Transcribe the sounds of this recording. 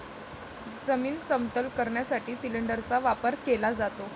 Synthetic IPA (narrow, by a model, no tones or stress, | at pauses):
d͡zəmiːnsəmt̪əlkəɾɳjasaʈiːsiliɳɖəɾt͡saʋapəɾkelad͡zat̪o